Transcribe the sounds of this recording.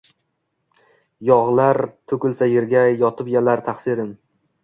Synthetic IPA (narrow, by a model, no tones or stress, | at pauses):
jɒʁlˠaɾt̪ʰɵkʲɪlˠsajeɾɡʲajɒt̪ʰɪpjalaɾt̪ʰaχsɪɾɪn